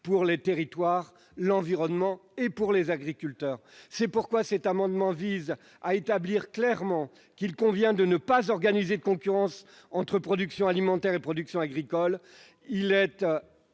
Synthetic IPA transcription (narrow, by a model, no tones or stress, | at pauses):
puʁlet̪eʁit̪waʁ | lɑ̃viʁɔnmɑ̃epuʁlezaɡʁikʲylt̪œːʁsɛpuʁkwasɛt̪amɑ̃d̪mɑ̃viz | aet̪abliʁklɛʁmɑ̃ | kilkɔ̃vjɛ̃d̪ənəpazɔʁɡanized̪əkɔ̃kʲyʁɑ̃s | ɑ̃t̪χəpχɔd̪yksjɔ̃alimɑ̃t̪ɛʁepχɔd̪yksjɔ̃aɡʁikɔl | ilɛt̪